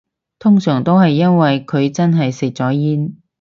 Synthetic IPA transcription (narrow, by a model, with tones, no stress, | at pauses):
t̪ʰʊ˥ŋsœː˨˩ŋt̪o˥wɦɐ˨jːɐ˥nwɐ˨jkʰɵ˨˧ɥt͡sɐ˥nɦɐ˨jsɪ˨˩k̚t͡sɔː˨˥jiː˥n